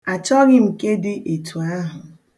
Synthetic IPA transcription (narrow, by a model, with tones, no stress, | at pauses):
a˨t͡ʃɔ˦ɣɪ˦m̩˨ke˦dɪ˦ʔe˨tʰu˨a˦ɦʊ˨